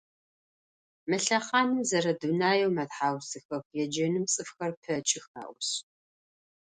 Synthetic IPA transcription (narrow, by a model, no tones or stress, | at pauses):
mɐɬɐqɑːnɨmzɐɾɐdunaːjɛwmɐtħaːwsɨxɐxjɛd͡ʒɐnɨmt͡sʼɨfxɐrpʰɐt͡ʃʼɪxa̰ːʔʷɕ